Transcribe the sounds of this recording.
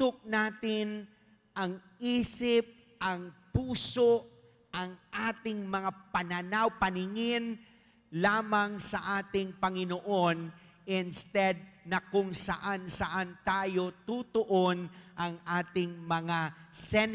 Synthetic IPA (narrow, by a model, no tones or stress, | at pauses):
t̪ʊk̚naːt̪ɪn | ʔɐŋʔiːsɪp̚ | ʔɐŋpuːso̞ʔ | ʔɐŋʔaːt̪ɪŋmɐŋapɐnɐnawpɐnɪŋɪn | laːmɐŋsɐʔaːt̪ɪŋpɐŋɪnoʔo̞n | ʔɪnst̪ɛd̪̚nɐkʊŋsɐʔansɐʔant̪aːjo̞t̪ut̪oʔonʔɐŋʔaːt̪ɪŋmɐŋasɛn